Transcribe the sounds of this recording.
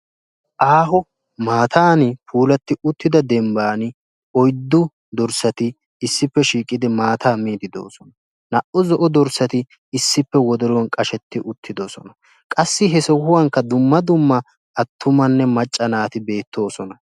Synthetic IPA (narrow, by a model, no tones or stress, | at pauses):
ʔaːɦɔ | maːt̪ʰaːnɪpʰuːlɐt̪ːɪʊt̪ːɪd̪ɐd̪ɛmbaːnɪ | ɔjd̪ːʊ | d̪ɔɾsɐt̪ɪ | ɪsːɪpːɛʃiːkʼːɪd̪ɪmaːt̪aːmiːd̪ɪd̪o̞̰ːsɔnɐ | nɐʔʊzɔʔɔd̪ɔɾsːɐt̪ɪː | sːɪpːɛwɔd̪ɔɾɔɔnkʼɐʃɛt̪ːɪʔʊt̪ːɪd̪oːsɔnɐ | kʼɐsːɪɦɛsɔɦʊwɐŋkːɐd̪ʊmːɐd̪ʊmːɐ | ɐt̪ʰːʊmɐnːɛmɐt͡ʃʼːɐnaːt̪ɪbe̞ːt̪ʰːo̞ːsɔnɐ